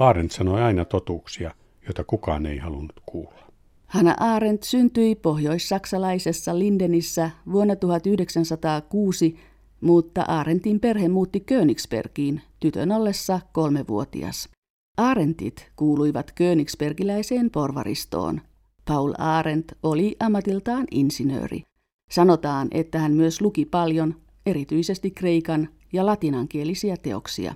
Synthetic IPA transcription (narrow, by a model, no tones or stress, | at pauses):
ɑːɾent̪sɑnoiɑinɑt̪ot̪uːksiɑ | joit̪ɑkukɑ̰ːnḛihɑlunːut̪kʰuːlːɑ | hɑnɑ̰ʔɑːɾent̪synt̪yipo̞hjo̞isːɑksɑlɑisesːɑlindenisːæʋuonːɑt̪uhɑt̪yhdeksænsɑt̪ɑːkuːsi | mut̪ːɑ̰ʔɑːɾent̪imperhemmuːt̪ːikøːnikspḛrkiːnt̪yt̪ø̰nolːesːɑko̞lmeʋṵot̪ḭɑ̰s | ʔɑːɾent̪ḭt̪kuːlujʋɑt̪køːniksperkilæjseːmpo̞rʋɑ̰ɾḭst̪o̰ːn | pɑulɑːɾent̪oliʔɑmːɑt̪ilt̪ɑːnḭnsinø̰ːrḭ | sɑnot̪ɑːnʔḛt̪ːæhænmyøslukipɑljon | e̞ɾit̪yise̞st̪ikːreikɑn | jɑlɑt̪inɑŋkielisiæt̪e̞o̰ksḭɑ̰